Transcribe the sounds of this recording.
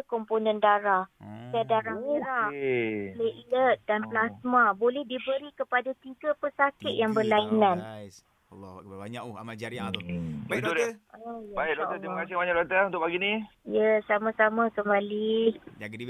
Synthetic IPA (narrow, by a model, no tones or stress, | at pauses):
əkɔmponə̃ndaɾahsadaɾahmiɾa | leʔiət̪̚danplasmãbolɛhdibəɾikəpadat̪iɡapəsakɪt̪̚jaŋbərlainãn | k̚ɲaa | it̪udɛojɛbaɪlot̪ət̪ɾimakasibaɲaʔlot̪əunt̪ʊʔpaɡinĩjəsamãsamãsəmalih